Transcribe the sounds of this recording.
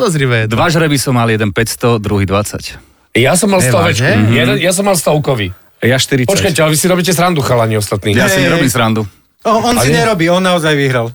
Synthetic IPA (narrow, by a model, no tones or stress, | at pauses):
d̪ɔzɾiʋɛɛd̪ʋaʒɾɛbisɔmːaljɛd̪ɛnpɛcst̪ɔd̪ɾuɦid̪ʋat͡sa̰c | jasɔmːalst̪ɔʋɛt͡ʃkujɛd̪ɛnjas̬ɔmːalst̪ɔʊkɔʋi | jaʃt̪iɾipɔt͡ʃkajcɛalɛʋisiɾɔbicɛsɾand̪uxalaɲiɔst̪at̪niːjasiɲɛɾɔbiːmsɾand̪u | ɔɔnsiɲɛɾɔbiːɔnːaɔzajʋiɦɾal